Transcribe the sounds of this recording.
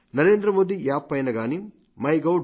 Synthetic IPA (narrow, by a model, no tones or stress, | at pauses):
nɐɾeːnd̪ɾɐmoːd̪ijaːpːɐjɐnɐɡaːnim | mɐjɡɐw